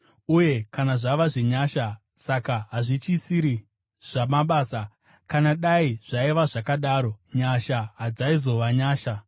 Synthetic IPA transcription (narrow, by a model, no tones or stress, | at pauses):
uje̞kanaʐaʋaʐiɲaːʃa | sakaɦaʐit͡ʃisiɾi | ʐ̥amaɓaːsa | kanaɗaiʐ̥aiʋaʐakaɗaːɾo̞ɲaʃaɦad͡zaizo̞ʋaɲaːʃa